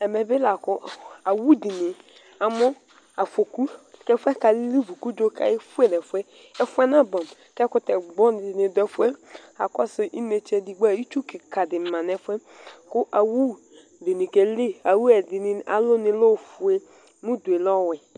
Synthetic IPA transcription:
ɛ˨mɛ˨bɪ˦la˨kʊ˦a˨wu˦di˨ni˨ | a˨mʊ˦ | a˨fo˨ku˦˨kɛ˦fʷɛ˦ka˨li˦li˦vu˨ku˦d͡ʒo˦ka̰˨e˦fu˦e˨nɛ˨fʷɛ˦ | ɛ˦fu˦ɛ˦na˦bɔ˨m | kɛ˦kʊ˦tɛ˨ɡ͡bɔ˦n˨nɪ˨dɔ˦fɛ˦a̰˨kɔ˦so˨ʔi˦ne˨t͡ʃe˦di˨ɡ͡ba˦˨˦i˦t͡ʃu˦ki˨ka˨dɪ˨ma˨nɛ˨fʷɛ˦ | kʊ˦ʔa˨wu˦ | di˨ni˨ke˦li˦a˨wu˦ɛ˨dɪ˨ni˦a̰˨lʊ˦nɪ˨˦lo˦˨fu˨e˦ | mu˦du˨e˨lɔ˦˨wɪ˨

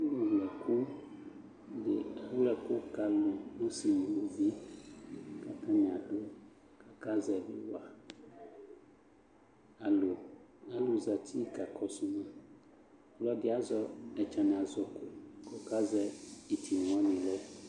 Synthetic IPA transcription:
wo˨wlɛ˨ku˦ | de˨a˨wlɛ˨ko˦ka˨lũ˨no˦si˨mũ˨lo˦vi˦ | ka˨t̪ã˦mĩ˨a˨ɖo˦ | ka˦ka˦zɛ˨bḭ˦wa˨ | a˨lo˨a˨lo˨za˨t̪ʰi˦ka˨kʰɔ˦su˦mã˦ | lɔ˦dɪ˦a˨zɔ˦ɛ˨t͡ʃã˨nɛ̃˨a˨zɔ˨ko˦kɔ˨ka˦zɛ˦i˨t̪ʰi˨ŋ˨ɔ̃˦nĩ˨lɔ˦

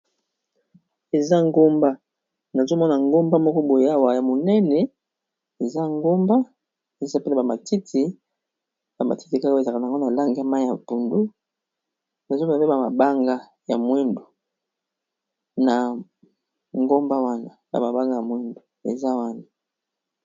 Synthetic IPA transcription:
e˨za˦ŋɡo˦mba˦ | na˨zo˦mɔ˦na˨ŋɡo˦mba˦mɔ˦kɔ˦bo˨˦a˦˨wa˨ja˨mo˨nɛ˦nɛ˨ | e˨za˦ŋɡo˦mba˦ | e˨za˦pe˦na˨ba˨ma˨ti˦tʰi˨ | ba˨ma̰˨ti˦ti˨ka˦ke˨za˨ka˨na˨ŋɡo˦na˨la˦ŋɡa˨ma˦ja˨pu˨ndu˦ | na˨zo˦m˦na˨pe˦ba˨ma˨ba˦ŋɡa˦ | ja˨mwe˦ndo˨ | na˨ | ŋɡo˦mba˦wa˦na˨ba̰˨ma˨ba˦ŋɡa˦ja˨mwe˦ndo˨ḛ˨za˦wa˦na˨

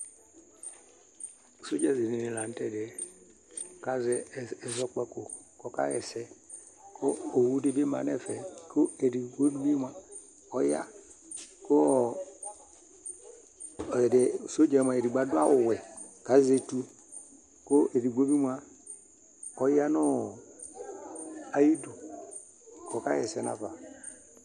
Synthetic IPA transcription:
so˦d͡ʒa˦˨zi˨ne˨ne˨la˨n˦tɛ˨dɛ˨ | ka˨zɛ˨ɛ˨zɔ˨˦k͡pɛ˦ko˨kɔ˦ka̰˦ɣɛ˨sɛ˦ | kʰo˦o˨wu˦de˦be˦ma̰˨nɛ˦˨fɛ˨kʰo˦e˨di˨ɡo˦di˦bi˦mʷa˨ | ɔ˨ja̰˦ | ko˦˨ | de˨so˦d͡ʒe˨m˨a˨e˨ɾi˨ɡ͡ba˨du˦a˦o˨wɛ˨ka˨˦ze˨tu˦ | ko˦e˨ɾi˨ɡʷo˦bi˦mʷa˦ | ɔ˨ja˦nɔ˦˨ | a˨ji˦do˨ | kɔ˨ka˦jɛ˨sɛ˨na̰˨va˨

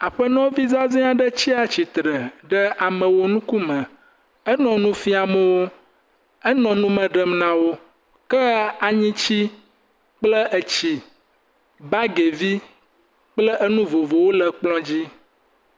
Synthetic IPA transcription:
a˨ɸə˦nɔ̃˦vi˦za˦zĩ˦a˨ɖə˦t͡ɕi˦a˨t͡ɕi˨t̪ɾə˨ɖə˦a˨mə̃˨wo˦nũ˦ku˦mə̃˨ | ə˦nɔ̃˨nũ˦fi˦a˨mə̃˦wo˦ | ɛ˦nɔ̃˨nũ˦mə̃˨ɖə˨mnã˨wo˦ | kə˦a˨ɲĩ˦t͡ɕi˦ | k͡plə˦ʔə˨t͡ɕi˨ | ba˦ɡe˨vi˦ | k͡plə˦ʔə˦nũ˦vo˨vo˨wo˦lə˨k͡plɔ̃˦d͡ʑi˦

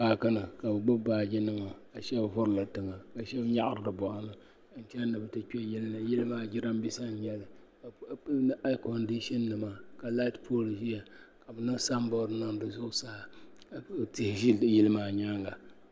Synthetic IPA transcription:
paː˨ka˦nɨ˨ka˨bɨ˨ɡ͡bʊ˦baː˨d͡ʒɪ˦nɨ˦ma˨ka˨ʃɛ˦bɦʊ˦ɾɨ˦˨la˨tɨ˨ŋa˨ka˨ʃɛ˦bɲa˦ʔa˨ɾɨ˨dɨ˨bɔ˨ʔa˨nɨ˨˦ | n̩˦t͡ʃɛ˦nɨ˨bɨ˨tɨ˦k͡pʲɛ˦jɪ˦lnɨ˨jɪ˦lɨ˦maː˦d͡ʒɪ˦ɾa˦m˦bi˦sa˦ɲ˦jɛ˦lɨ˨kʔa˦kɔ˨ndi˦ʃi˦nːɨ˨ma˨ka˨la˦tpʰo˦lʒi˦ja˨ka˨bɨ˨nɨ˦sa˦mbɔ˦ɾɨ˦nɨ˦ŋ˨dɨ˨zʊ˦ʔʊ˦sa˦ha˨ | tɪ˨hɪ˨ʒi˦jɪ˦lɨ˦maː˦˨ɲa˦ŋɡa˨

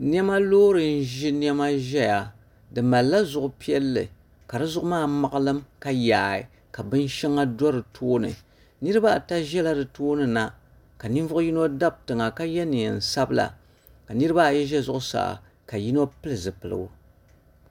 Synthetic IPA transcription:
n˦ɛ˦ma˦loː˦ɾɨ˨n̩˦ʒi˦ni˦ɛ˦ma˦ʒɛ˦ja˨ | dɨ˨ma˨lːa˦zʊ˨ʔʊ˨pi˦ɛ˦lːɨ̰˨ | ka˨ɾɨ˦zʊ˦ʔʊ˦maː˦˨ma˨ʔɨ˦lɨ˦mka˦jaː˨i˨ | ka˨bɨ˦n˦ʃɛ˦ŋa˦dɔ˦ɾɨ˨tʰoː˦nɨ̰˨ | nɨ˦ɾɨ˦ba˦˨ta˦ʒɛ˦la˦dɨ˨toː˦nɨ˨na˨ | ka˨ni˦ɱ˦vʊ˦ʔʊ˦ji˦no˦da˦b̚tɨ˨ŋa˨ka˦jɛ˦nɨ˨ɛ˨n̩˨sa˦bɨ˦la̰˨ | ka˨nɨ˦ɾɨ˦ba˦˨jɛ˦ʒɛ˦zʊ˦ʔʊ˦sa̰ː˨ | ka˨ji˦no˦pɨ˦lɨ˨zɨ˨pɨ˨lɨ̰˨ɡʊ̰˨

